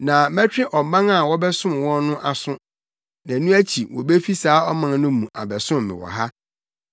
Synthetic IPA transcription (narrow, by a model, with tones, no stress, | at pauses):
nã˨mæ̃˦t͡ɕᶣɪ̃˦ʔɔ˨m˨bã˦ŋa˨wɔ˦bɛ˦sʊ̃˦mwɔ̃˦nnʊ̃˦ʔa˨sʊ̃˦ | næ̃˨nũ˦æ˦t͡ɕʰi˨wɔ˨be˦fi˦saː˨˦ɔ˦mã˨n˦nʊ̃˦mũ˨ʔa̰˨bɛ˨sʊ̃˦m˨mɪ̰̃˨wɔ̰˨ɦa˦